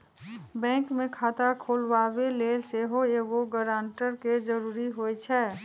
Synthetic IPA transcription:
bɛ̃ːŋkmẽkʰaːt̪akʰolʋabeleːlseɦoeɡoɡəɾaːɳʈəɾked͡ʒəɾuːɾiɦojt͡ʃʰɛ

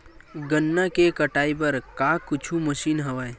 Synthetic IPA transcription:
ɡɐnːakekɐʈaːipɐɾkaːkʊt͡ʃʰumɐʃiːnɦɐʋaːe

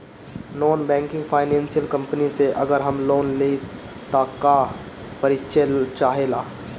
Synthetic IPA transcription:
nɔːnbɛ̃ːŋkɪ̃ŋɡpʰaːɪnɛ̃ːnsijəlkə̃mpniseʔɐɡəɾɦɐmloːnle | t̪aka | pəɾɪtːʃʰet͡ʃaːɦeːlaː

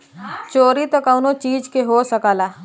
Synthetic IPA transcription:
t͡ʃoːɾit̪ɐkawnot͡ʃiːd͡ʒkeɦoːsəkaːlaː

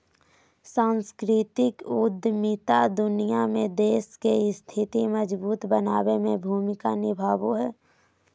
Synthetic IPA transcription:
sãːnskɾɪt̪ɪkʊd̪ʱmɪt̪ad̪ʊnijamẽd̪eːskest̪ʰɪt̪iməd͡ʒbuːt̪bənaːwemẽbʱuːmɪkanɪbʱaːwoɦɛː

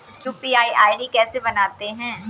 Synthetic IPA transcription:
juːpiːaːiʔaːiɖikɛːsebɐnaːt̪eɦɛ̃ː

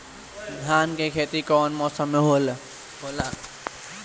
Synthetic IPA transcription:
d̪ʱaːnkekʰet̪ikɔːnmɔsəmːeɦol | ɦola

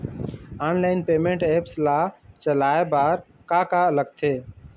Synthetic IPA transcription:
anlaːɪnpeːmẽɳʈeːpslaːt͡ʃəlaːebaːɾ | kakaləɡ̚t̪ʰeː

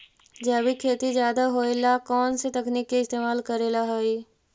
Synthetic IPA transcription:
d͡ʒaːbikʰeːt̪izjaːd̪aɦoːelakɔːnset̪ɐkniːkːeɪst̪eːmaːlkɐɾeːlaɦoiː

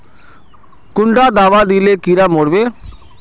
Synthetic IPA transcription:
kʊɳɖaːd̪aːʋaːd̪iːleːkiːɾaːmoːɽʋeː

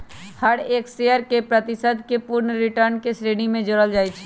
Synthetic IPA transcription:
həɽeːkseəɾkepɾət̪ɪsəd̪kepʊɾɳəɾɪʈəɾnkesɾeːɽimẽd͡ʒəɽəld͡ʒaːet͡ʃʰ

